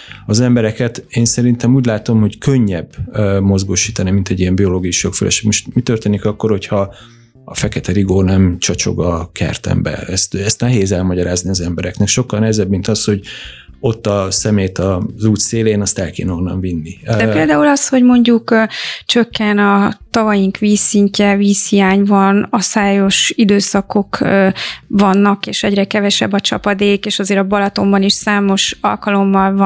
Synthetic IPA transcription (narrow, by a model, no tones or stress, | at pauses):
ɒzɛmbɛɾɛkɛt̪eːnsɛɾint̪ɛmuːɟlaːt̪o̞mho̞ckø̞ɲːɛbːmo̞zɡoːʃiːt̪ɒnimint̪ɛɟːiɛmbio̞loːɡijuʃokfølʔɛ̰ʃemoʃt̪mit̪ørt̪eːnikɒkːo̞rho̞cʰhɒ | ɒ̰fɛkɛt̪ɛɾiɡoːnɛmt͡ʃɒt͡ʃo̞̰ɡɒkʰɛ̰rt̪ɛ̰mbɛ̰ɛst̪ɛst̪nɛɦeːzɛlmɒɟɒɾaːzniɒzɛmbɛɾɛknɛkʃo̞kːɒlnɛɦɛzɛbːmint̪ɒsho̞ɟ | o̞t̪ːɒsɛmeːt̪ɒzuːt̪seːleːnɒst̪ɛlkḛːnɦonːɒ̰ɱvinːid̪ɛpeːld̪aːulɒsho̞ɟmo̞ɲɟukt͡ʃø̞kːɛnɒt̪ɒvɒjiŋkʋiːsːiɲcɛviːshijaːɲvɒnɒsaːjo̞ʃid̪øːsɒko̞k | vɒnːɒkeːʃɛɟrɛkɛvɛʃɛbːɒt͡ʃɒpɒd̪eːkeːʃɒzeːɾɒbɒlɒt̪o̞mbɒniʃsaːmo̞ʃɒ̰lkɒlo̞mːɒlv